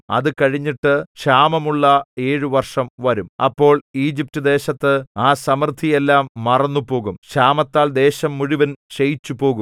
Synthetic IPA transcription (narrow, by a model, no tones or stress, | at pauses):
ɐ̰ðɨkɐɻiɲːiʈːɨɕaːmɐmuɭːɐe̞ːɻuʋɐrʂɐmʋɐɾumɐ̰pːo̞ːɭiːd͡ʑip̚tɨd̪e̞ːɕɐt̪ːɨaːsɐmrt̪ʰːijelːaːmːɐrɐnːupo̞ːɣumɕaːmɐt̪ːaːɭd̪e̞ːɕɐmːuɻiʋɐnɕejit͡ɕːupo̞ːɣum